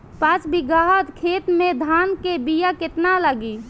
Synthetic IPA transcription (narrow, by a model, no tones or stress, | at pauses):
pat͡ʃbiɡaɦət̪kʰet̪med̪ʱaːnkebijaket̪nalaɡi